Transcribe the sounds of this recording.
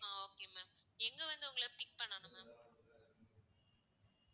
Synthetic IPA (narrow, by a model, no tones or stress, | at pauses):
ãːoːkeːjɯmemɛŋɡɐʋɐnd̪ɯʊŋɡɐɭɐpɪk̚ːpɐɳːaːnɯmem